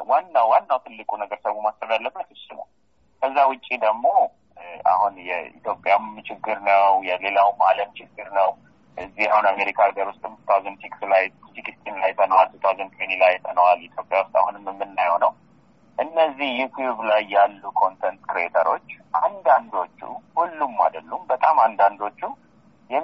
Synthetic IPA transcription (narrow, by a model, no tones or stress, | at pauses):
wanːawwanːawt̪ʰɨlːɨkʼunəɡəɾsəβumasɾəd̪alːəbːət̪ɨsɨlə̰w | kʰəzːawʊt͡ʃʼːid̪əɡmːo̞ | ʔa̰hunjɛḭt̪ʰjo̞pʼːjamt͡ʃɪɡːɨɾnəwjɛle̞lawmaləmt͡ʃʰɪɡːɨɾnəw | ʔɨzːihahunameɾikʰaɡəɾwust̪ʼɨmɨt̪ʰazɨnfʰikslaj | t̪ikɨst̪ʼinlajt̪ʰənəwalsɨt̪ʰwazɨnkʰʼenilajt̪ʰənəwalit̪ʰjo̞pʼjawʊst̪ʼa̰hunɨmːmːɨnːajəwnəw | ʔɨnːəzːihjut̪ʰjuβlajːalːukʰo̞nt̪ʰɛnt̪kɨɾiet̪ʰəɾo̞̰t͡ʃːʔand̪and̪o̞t͡ʃːṵhulːumːa̰d̪əlːumbət̪ʼamand̪and̪o̞t͡ʃːu | jɛ